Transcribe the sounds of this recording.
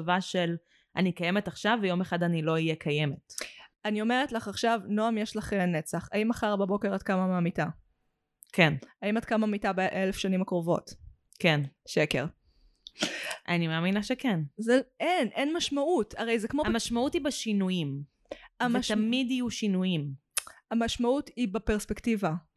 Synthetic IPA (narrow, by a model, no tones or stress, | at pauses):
vaʃel | ʔanikajemetaχʃavːejo̞meχadanilo̞ijekʰajemetanio̞meʁetlaχaχʃavnoamjeʃlaχenet͡saχaimaχaʁbabo̞keʁatkamamaːmita | kenaimatkamamitabeʔelefʃanimakʁovo̞̰t | kenʃeke̞̰ʁ | ʔa̰nimeaːminaʃekenzeʔenʔenmaʃmautaʁejzekmoamaʃmautibaʃinujim | avmet̪amidijuʃinujim | amaʃmautibapeʁspektiva